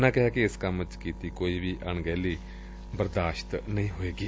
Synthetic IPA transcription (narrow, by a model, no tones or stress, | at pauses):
nãːkɪɦaːkɪɪskəmt͡ʃkiːt̪iːkoːiːʋiːʔəɳɡɛːliː | bəɾd̪aːʃt̪nəĩːɦoːeːɡiː